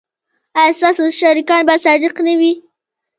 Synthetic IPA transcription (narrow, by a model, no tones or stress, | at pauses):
asɑsoʃaɾikɑnbasɑd̪ɪqnawi